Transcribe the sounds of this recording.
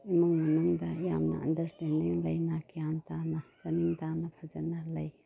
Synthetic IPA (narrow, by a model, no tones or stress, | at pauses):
imuŋmɐnuŋdɐjamnɐ̰ɐndɐɾstendiŋlɐjnɐkijantanɐsɐniŋtanɐpʰɐzɐnɐlɐj